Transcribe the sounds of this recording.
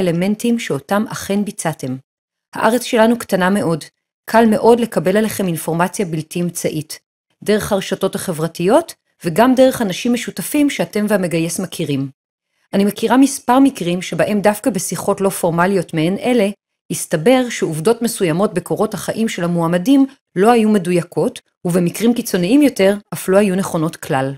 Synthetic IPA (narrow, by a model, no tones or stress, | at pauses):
le̞me̞ntimʃeotamaχenbit͡sate̞m | ha̰ʔaʁet͡sʃe̞lanuktaname̞ʔo̞d | kʰalme̞ʔo̞dle̞kabe̞laleχe̞minfo̞ʁmat͡sjabiltimt͡saʔit | de̞ʁe̞χhaʁeʃato̞thaχe̞vʁatijo̞t | veɡamdeʁ̞e̞χanaʃimːeʃutafimʃeate̞mveameɡaje̞smakʰiʁim | ʔanimekiʁamispaʁmikʁimʃebaʔe̞mdafkabesiχo̞tlo̞fo̞ʁmalijo̞tmeenʔe̞le̞ | istabe̞ʁʃeuvdo̞tme̞sujamo̞t̚beko̞ʁo̞thaχaʔimʃe̞lhamuamadim | lo̞hajume̞dujakʰo̞t | uvemikʁimkit͡so̞niimjo̞te̞ʁafluhajuneχo̞no̞tklal